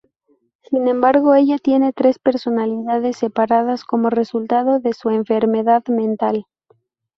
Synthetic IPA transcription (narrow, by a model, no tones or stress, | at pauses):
sinẽ̞mbaɾɣo̞e̞ʎat̪je̞ne̞t̪ɾe̞spe̞ɾso̞naliðaðe̞sːe̞paɾað̞asko̞mo̞re̞sult̪aðo̞ðe̞sue̞ɱfe̞ɾme̞ðaðmẽ̞nt̪al